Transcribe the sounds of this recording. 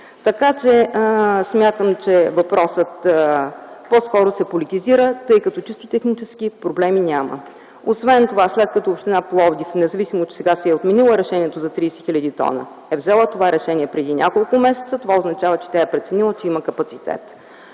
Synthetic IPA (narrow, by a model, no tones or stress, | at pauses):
t̪ɐkat͡ʃɛsmʲjat̪əmt͡ʃɛvɐpɾɔsət̪ | pɔskɔɾosɛpolit̪iziɾət̪ɤjkɐt̪ɔt͡ʃist̪ot̪ɛxnit͡ʃɛsk̟ipɾoblɛminʲamə̰ | osvɛnt̪ovaslɛt̪̚kɐt̪ɔːpʃt̪ɛnaplˠɔvd̪ifnɛzɐvisimot͡ʃɛ̥sɛɡasɛɛot̪mɛnilˠəɾɛʃɛnʲiɛt̪ozɐt̪ɾiːsɛxilʲɐd̪it̪ɔ̰nə̰ | ɛvzɛlˠət̪ovaɾɛʃɛnʲiɛpɾɛd̪inʲʔa̰kolˠkʊmɛsɛ̥t̪sət̪ovaoznɐt͡ʃavət͡ʃɛ̥t̪ʲaɛpɾɛt̪sɛnilˠət͡ʃɛiməkɐpɐt̪sit̪ɛ̰t̪